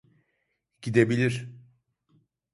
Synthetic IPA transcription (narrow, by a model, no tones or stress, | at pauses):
ɟ̥id̪ebilʲiɾ̥